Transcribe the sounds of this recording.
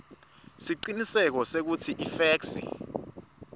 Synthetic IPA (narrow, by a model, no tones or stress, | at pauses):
siǃinisɛk̬ɔsek̬utʰiʔifɛːksḭ